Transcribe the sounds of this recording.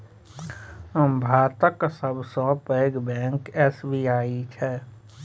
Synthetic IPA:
əmbʱaːt̪əksəbsɔ̃ːpeːɡbɛ̃ːŋkɛːsbiːaːit͡ʃʰɛ

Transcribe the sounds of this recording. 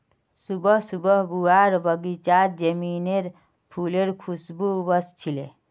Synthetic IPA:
subəɦsubəɦbuaɾbəɡit͡ʃaɾd͡ʒəmineɾ | pʰuleɾkʰusbubəst͡ʃʰile

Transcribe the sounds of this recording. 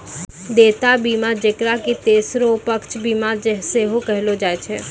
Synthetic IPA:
d̪et̪abimãd͡ʒekɾakit̪esɾopəkt͡ʃʰbimãd͡ʒeɦseɦokəɦelod͡ʒajt͡ʃʰe

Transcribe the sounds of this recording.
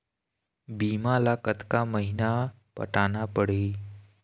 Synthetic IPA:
bimalakət̪kaməɦina | pə̰ʈanapəɽ̤eː

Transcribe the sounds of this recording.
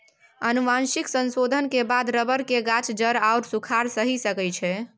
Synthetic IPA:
ənumansiksənsod̪ʱənkebad̪ɾəbəɾkeɡat͡ʃd͡ʒəɾauɾsukʰaɾsəɦisəkəjt͡ʃʰɛ

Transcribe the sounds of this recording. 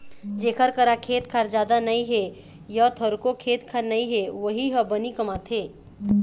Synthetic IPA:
d͡ʒeːkʰəɾkəɾakʰeːt̪kʰaːɾd͡ʒaːd̪anəĩɦe | jat̪ʰəɾkokʰeːt̪kʰaɾnəĩɦeʋəɦiɦəbənikəmat̪ɦeː

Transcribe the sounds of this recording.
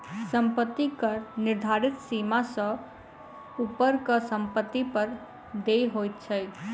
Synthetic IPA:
səmpət̪ːikəɾnɪɾd̪ʱaɾit̪simasə̃ | upəɾkəsəmpət̪ːipəɾ | d̪ejɦojt̪̚t͡ʃʰəj

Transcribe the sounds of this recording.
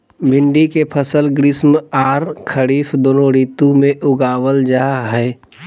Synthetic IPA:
bɪ̃ɳɖikepʰəsəlɡɾɪsmaːɾkʰəɾiːfd̪oːnõɾiːt̪ũmẽʔʊɡaːwəld͡ʒaːɦɛː

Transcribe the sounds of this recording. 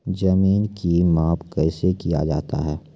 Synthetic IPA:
d͡ʒɐmiːnkimaːpkɛːsekija̰d͡ʒa̰ːt̪a̰ɦɛː

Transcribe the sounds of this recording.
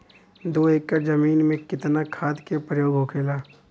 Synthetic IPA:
d̪oːeːkːəɾd͡ʒɐmiːnmẽkɪt̪nakʰaːd̪kepɾəjoːɡɦokʰeːlaː

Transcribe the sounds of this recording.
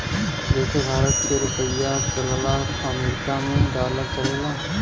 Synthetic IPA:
deːkʰebʱaːɾət̪keɾʊpəjːat͡ʃəlla | əmɾkamẽd̪aːlat͡ʃəlla

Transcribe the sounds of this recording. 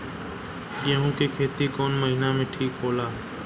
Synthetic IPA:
jeɦõːkekʰeːt̪ikɔːnməɦinaːmẽːʈʰiːkɦoːlaː

